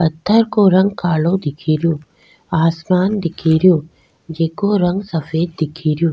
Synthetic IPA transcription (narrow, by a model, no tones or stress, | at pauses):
pɐt̪ʰːəɾkoɾɐ̃ŋɡ̚kaːɭod̪ɪkʰiːɾjõː | aːsmaːnd̪ɪkʰiːɾijõː | d͡ʒeːkoɾɐ̃ŋɡsɐfeːd̪̚d̪ɪkʰiːɾjõː